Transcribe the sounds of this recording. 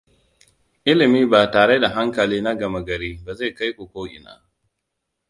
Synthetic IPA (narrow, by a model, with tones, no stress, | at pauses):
ʔɪ˦lɪ˨miː˦baː˨taː˨ɽe˦da˨ɦa˦ŋkɐ˨liː˦na˦ɡɐ˨ma˦ɡɐ˨ɾiː˦baː˨za˦˨ka˦jkʷu˨kʷoː˦ʔɪ̰˨na̰ː˦